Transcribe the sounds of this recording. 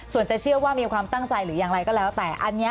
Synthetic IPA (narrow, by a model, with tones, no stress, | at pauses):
su˨˩ənt͡ɕa˨˩t͡ɕʰɯ˥˩əwaː˥˩miː˧kʰwaː˧mt̪a˥˩ŋt͡ɕa˧jɾɯː˩˦jaː˨˧ŋɾa˧jkɔː˥˩lɛː˦˥wt̪ɛː˨˩ʔa˧nːi˦˥